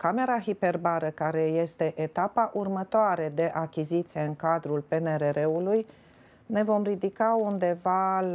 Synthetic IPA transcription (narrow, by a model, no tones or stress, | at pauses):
kame̞ɾaɦipe̞rbaɾəkaɾe̞je̞st̪e̞ʔet̪apaʔurmət̪oaɾe̞d̪e̞ʔakʲizit̪sije̞ɨŋkad̪ɾulpe̞neɾeɾeuluj | ne̞vo̞mrid̪ikaund̪e̞val